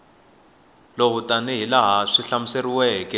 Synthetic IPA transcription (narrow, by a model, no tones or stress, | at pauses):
loɦutʼaniɦilaɦaʂiɬamuseriwɛːkʼɛ